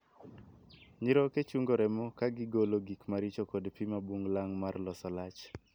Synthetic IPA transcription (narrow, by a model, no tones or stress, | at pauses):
ɲiɾɔket͡ʃuŋɡoɾɛmokaɡɪɡoloɡikmaɾit͡ʃokɔdpimabuŋlaŋmarlɔsɔlat͡ʃ